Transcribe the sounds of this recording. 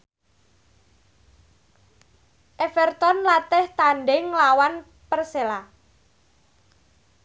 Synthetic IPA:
ʔefɛrt̪ɔnlat̪ɪht̪aɳɖɪŋlawan | pərsela

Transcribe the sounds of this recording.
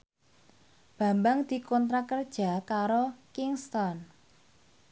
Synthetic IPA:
b̥a̤mbaŋd̪̥i̤kɔnt̪ɾakərd̥ʒ̥a̤kaɾokiŋst̪ɔn

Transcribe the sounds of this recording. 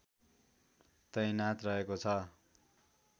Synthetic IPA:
t̪ʌjnat̪rʌɦekot͡sʰʌ

